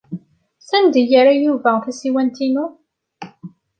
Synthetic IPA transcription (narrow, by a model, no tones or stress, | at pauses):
sænd̪ijəɾajuvæθæsiwænt̪inu